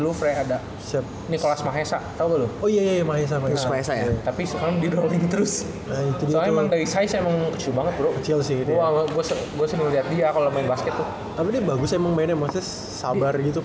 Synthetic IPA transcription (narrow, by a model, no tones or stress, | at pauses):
lufɾaada | sap̚nikolasmaɦesaʔt̪auɡalʊoijajajamaɦes̬amaesamaɛsajat̪apisəkaɾaŋdidoliɲt̪əɾʊs | ait̪udimaŋdawisajasemaŋkət͡ʃilbaŋət̪̚bɾokət͡ʃɪls̬ɪhdiaɡuasɡuasɛməŋliɦat̪̚diakaolamaɪnbaskət̪ːʊh | t̪apidiabaɡʊsemaŋmaɪnamaŋsɛ | sabarɡit̪u